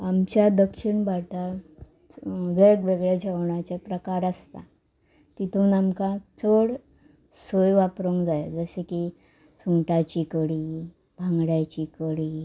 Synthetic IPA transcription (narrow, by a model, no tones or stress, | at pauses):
amt͡ɕjad̪əkʂiɳbaʈ̪a | ʋeɭɡʋeɡɭjad͡ʑʱaʋɳ̃at͡ɕjapɾəkaɾəst̪a̰ | t̪it̪ʰuːnamkat͡səɽ | sojʋapɾoŋɡd͡zajad͡zəseki | suŋɡʈat͡ɕikəɽi | bʱãŋɡɽjat͡ɕikəɽiː